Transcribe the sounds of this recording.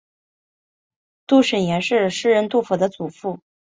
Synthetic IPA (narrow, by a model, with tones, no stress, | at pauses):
t̪u˥˩ʂə˨˩njɛ˧˥nʂɻ̩˥˧ʂɻ̩˥˧ɻə˥˧nt̪u˥˩fu˨˩d̪ə˦t͡su˨˩fu˥˩